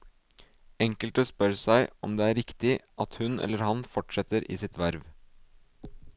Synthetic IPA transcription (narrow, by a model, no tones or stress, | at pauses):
ɛŋkəlʈ̪əspœɾsæɪɔ̰md̪eːæːɾɪkt̪ɪʔɑt̪hʉnʔɛ̰lːəɾhɑnfɔʈʂɛt̪əɾʔḭːsɪt̪ʋæɾʋ